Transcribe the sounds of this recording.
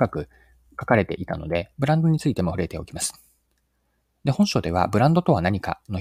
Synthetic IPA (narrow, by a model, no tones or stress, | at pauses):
kakɯ̟ | kḁkaɾe̞t̪e̞̰ʔit̪a̰no̞̰d̪e̞bɯ̟ɾãnd̪o̞ɲ̟it͡sɨit̪e̞mo̞ɸɯ̟ɾe̞t̪e̞o̞kʲimasɨ̥ | d̪ehõ̞ɰ̃ɕo̞d̪e̞βa̰bɯ̟ɾãnd̪o̞t̪o̞β̞anaɲ̟ika̰no̞